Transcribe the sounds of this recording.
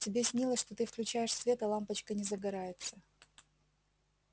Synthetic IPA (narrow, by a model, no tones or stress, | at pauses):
tʲɪbʲesʲnʲilˠəsʲʂt̪o̞t̪ɨfklʲʉt͡ɕæjɪʂsvʲe̞t̪ɐlˠampət͡ɕkənʲɪzəɡɐɾajɪt̪sə